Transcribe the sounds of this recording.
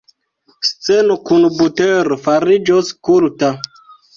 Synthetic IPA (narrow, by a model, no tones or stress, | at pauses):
st͡senokunbuteɾofaɾid͡ʒoskulta